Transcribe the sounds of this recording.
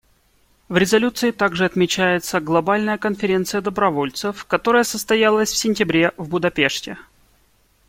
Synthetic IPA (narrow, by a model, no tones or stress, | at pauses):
vɾʲɪzɐlʲut̪sɨɪt̪aɡʐɨɐt̪mʲɪt͡ɕæjɪt̪səɡlˠɐbalʲnəjəkənfʲɪɾʲe̞nt̪sɨjəd̪əbɾɐvo̞lʲt̪sɨfkɐt̪o̞ɾəjəsəst̪ɐjalˠəsʲfsʲɪnʲtʲɪbɾʲe̞vbʊd̪ɐpʲe̞ʂtʲɪ